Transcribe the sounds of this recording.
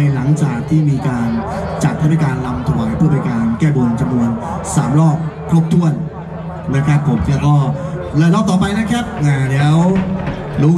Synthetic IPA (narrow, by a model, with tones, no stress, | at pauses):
jla˩˦ŋt͡ɕaː˨˩k̚t̪ʰiː˥˩miː˧kaː˧nt͡ɕa˨˩t̪̚haː˥˩aː˧˥˩kaː˧nla˧mt̪ʰa˧waː˨˩˦jpʰu˥˩ba˧˩kaː˧nkɛː˥˩bo˧nt͡ɕa˧mnu˧ənsaː˩˦mɾɔː˥˩k̚kʰːɾoː˦˥˩p̚t̪ʰu˥˩ən | na˦˥kʰa˦˥pʰːo˩˦mt̪ɛː˧˩wkɔː˥˩ | lɛː˦˥˩lɔː˥˩k̚t̪ɔː˨˩p̬a˧jna˦˥kʰa˦˥p̚ʔaː˨˩lɛː˦˥w | luː˦˥